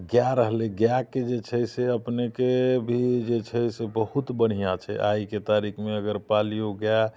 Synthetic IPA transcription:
ɡjaɾəɦleɡjaked͡ʒet͡ʃʰəseəpnekebʱid͡ʒet͡ʃʰəsebəhut̪bəɽ̤ijat͡ʃʰɛ̰ʔajket̪aɾikʰmeəɡəɾpalijoɡja

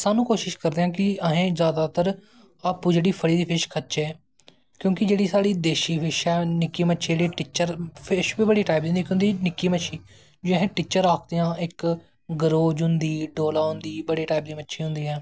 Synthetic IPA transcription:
saːnũːkoːʃɪʃkəɾd̪eːɦãːkɪəɦẽːzjaːd̪aːt̪əɾ | aːpuːd͡ʒeːɽiːpʰəɽiːd̪iːpʰɪʃkʰətːt͡ʃɛː | kjõːkɪd͡ʒeːɽiːsaːɽiːd̪eːʃiːpʰɪʃɛːnɪkːiːmətːʃʰd͡ʒeːɽiːʈɪt͡ʃəɾpʰɪʃbiːbəɽiːʈaːɪp̚dĩːnd̪ikːʊ̃nd̪iːnɪkːiːməʃʰiː | d͡ʒɪɦẽːʈɪt͡ʃəɾːaːk̚ʰd̪eːãːʔɪk | ɡəɾoːd͡ʒʊnd̪iːɖoːlaːɦʊ̃nd̪iːbəɽeːʈaːp̚d̪iːmətːʃʰiːɦʊ̃nd̪iːɛː

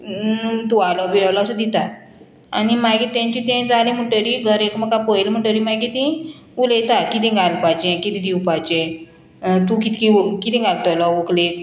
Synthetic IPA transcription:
t̪ualɔbiawlɔsud̪it̪a | animaɡit̪ãɲt͡ɕit̪ɛ̃d͡zalĩm̤uʈəɾiɡʱəɾekməkapəjlm̤əʈəɾimaɡit̪ĩ | ulejt̪akit̪ĩɡʱalpajt͡ɕẽkit̪ĩd̪iwpajt͡ɕẽ | t̪ũkit̪kikit̪ĩɡʱalt̪ɔlɔʋəklek

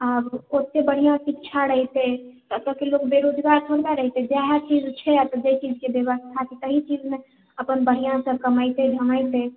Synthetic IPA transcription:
abkot̪ːebəɽ̤ijãsik̚t͡ʃʰaɾəɦit̪et̪ət̪əkelokbeɾod͡ʒɡaɾt̪ʰoɾbaɾəɦit̪ed͡ʒjaɦat͡ʃid͡ʒt͡ʃʰɛat̪ɔd͡ʒet͡ʃid͡ʒkebjəʋəst̪ʰak̪it̪əɦit͡ʃid͡ʒme | əpənbəɦijãsə̃kəməjt̪ed̪ʱəməjt̪e

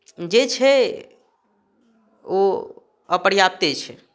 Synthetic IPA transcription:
d͡ʒet͡ʃʰɛ | o | əpəɽjap̚t̪et͡ʃʰɛ̰

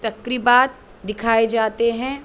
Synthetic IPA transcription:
t̪ɐkɾibaːt̪̚ | d̪ɪkʰaːed͡ʒaːt̪eɦɛ̃ː

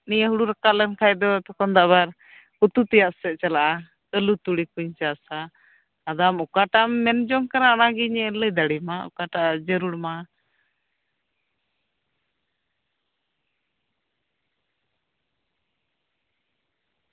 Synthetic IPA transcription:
nijəɦuɽuɾakaʔlɛnkʰajd̪ɔt̪ɔkɔnd̪aʔβaɾ | ut̪ut̪ɛjaʔsɛʔ̚t͡ʃalaʔa | kəlut̪uɽikuɲt͡ʃasaː | d̪amukaʈamːɛnd͡ʒɔŋkaɾaanaɡiɲɛləjd̪aɽimaṵkaʈaʔad͡ʒəɾuɽma

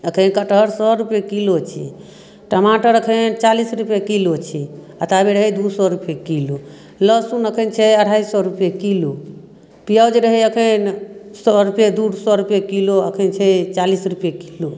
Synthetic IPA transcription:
əkʰənkaʈəɦɾsɔɾupjekilot͡ʃʰḭ | ʈəmaʈəɾəkʰənt͡ʃalisɾupjekilot͡ʃʰi | at̪abeɾəɦejd̪usɔɾupekilo | ləsunəkʰənt͡ʃʰɛəɽ̤aisɔɾupjekilo | pijawd͡ʒɾəɦɛjəkʰənsɔɾupjed̪uɽsɔɾupjekiloəkʰənt͡ʃʰɛt͡ʃalisɾupjekilo

